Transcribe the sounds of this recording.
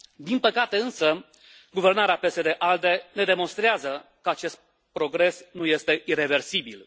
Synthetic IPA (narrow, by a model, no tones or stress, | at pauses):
d̪inpəkat̪e̞ɨnsə | ɡuve̞rnaɾeape̞se̞d̪e̞ʔald̪e̞ne̞d̪e̞mo̞nst̪ɾeazəkəat͡ʃe̞st̪̚ | pɾo̞ɡɾe̞snuje̞st̪e̞ʔire̞ve̞rsibil